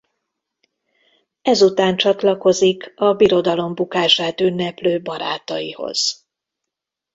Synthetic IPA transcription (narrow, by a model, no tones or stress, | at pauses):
ɛzut̪aːnt͡ʃɒt̪lɒko̞zikɒbiɾo̞d̪ɒlo̞mbukaːʒaːt̪ynːɛpløːbɒɾa̰ːt̪ɒjḭho̞̰z̥